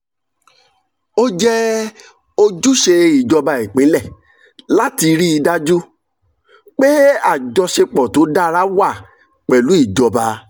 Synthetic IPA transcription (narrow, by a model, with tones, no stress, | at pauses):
o˦d͡ʒɛ˦ | o˧d͡ʒu˦ʃe˧i˨d͡ʒɔ˧ba˧i˨k͡pĩ˨˦lɛ˦˨ | la˦ti˧ɾi˦i˧da˦d͡ʒu˦ | k͡pe˦a˦˨d͡ʒɔ˧ʃe˧k͡pɔ˨to˨˦da˦˧ɾa˦wa˦˨ | k͡pɛ˨lu˨˦i˦˨d͡ʒɔ˧ba˧